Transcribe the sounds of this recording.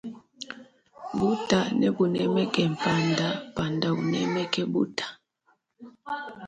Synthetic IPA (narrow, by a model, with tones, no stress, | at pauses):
bu˦ta˨nɛ˦bu˨nɛ˦mɛ˦kɛ˨m˨pʰa˨nda˨pa˨nda˨ṵ˨nɛ˦mɛ˦kʰɛ˦ɓṵ˦tʰḁ˨